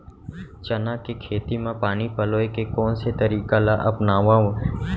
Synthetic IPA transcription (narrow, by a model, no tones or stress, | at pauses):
t͡ʃənãːkekʰeːt̪imãpaːnipəloːekekoːnset̪əɾiːkalaʔəpnaːʋãːũ